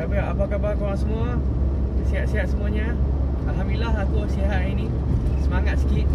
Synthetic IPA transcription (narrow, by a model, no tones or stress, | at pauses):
abəɾaʔapakabakoɾasəmũa | siɦaʔsiɦat̪səmũaɲa | alɦamilaɦakusiɦaʔinĩ | səmaŋat̪̚si̥kiʔ̚